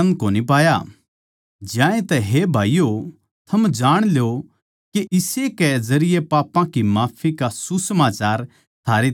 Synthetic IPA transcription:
ɐ̃n̚koːnipaːja | d͡ʒjãːẽt̪ɛɦebʱaːijo | t̪ʰɐmd͡ʒaːɽ̃ljo | keʔɪsekɛzɐɾɪjepaːpãkimaːpʰikasusɐmaːt͡ʃaːɾ | t̪ʰaːɾe

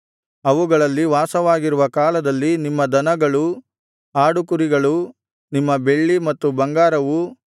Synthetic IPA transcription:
ɐʋuɡɐɭɐlːiʋaːsɐʋaːɡiɾuʋɐkaːlɐd̪ɐlːinimːɐd̪ɐnɐɡɐɭu | aːɽukuɾiɡɐɭu | nimːɐbe̞ɭːimɐt̪ːubɐŋɡaːɾɐʋu

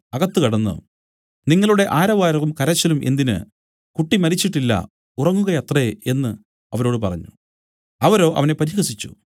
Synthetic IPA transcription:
ɐɣɐt̪ːɨkɐɽɐnːo̰ | niŋːɐɭuɽe̞ʔaːɾɐʋaːɾɐɣumkɐɾɐt͡ɕːɐlumʔe̞nd̪inɨ̰ | kuʈːimɐɾit͡ɕːiʈːilːɐ̰ | urɐŋːuɣɐjɐt̪ree̞nːɨ | ɐʋɐɾo̞ːɽɨpɐrɐɲːu | ɐʋɐɾo̞ːʔɐ̰ʋɐne̞pɐɾiɣɐsit͡ɕːu̥̰

